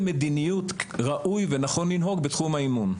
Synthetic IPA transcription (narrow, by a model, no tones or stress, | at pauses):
med̪inijut̪ʁaʔujvenaχo̞nlinɦo̞ɡbetχumhaimun